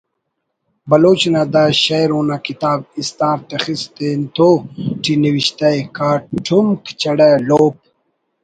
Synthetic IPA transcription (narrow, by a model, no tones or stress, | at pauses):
bɐloːt͡ɕnad̪aɕajɾonakit̪aːb̚ist̪aːɾt̪exist̪ent̪oʈiniwiɕt̪ajkaːʈʰːumkt͡ɕɐɽaloːp̚